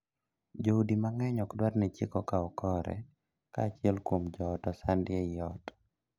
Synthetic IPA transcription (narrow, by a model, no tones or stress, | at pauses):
d͡ʒoudimaŋɛɲɔkdwatnɛt͡ʃɪkɔkaɔkɔɾɛ̰ | kaːt͡ʃɪɛlkwomd͡ʒɔːtɔsandɪɛɪjɔtɔ̥